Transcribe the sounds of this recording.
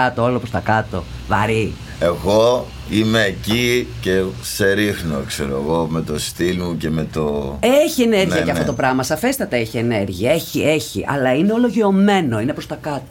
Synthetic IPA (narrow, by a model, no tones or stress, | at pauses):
ɐt̪oolopɾost̪ɐkɐt̪o̞̰ | vɐɾi | e̞ɣo | ime̞ːcice̞se̞ɾixnokseɾoḛɣome̞t̪o̞st̪ilmuce̞me̞t̪oeçie̞ne̞ɾʝiɐceɐft̪oot̪o̞pɾɐmɐsɐfe̞st̪ɐt̪eeçiene̞ɾʝiɐeçie̞çḭʔɐ̰lɐineolo̞ʝiome̞no̞ine̞pɾo̞st̪ɐkɐt̪o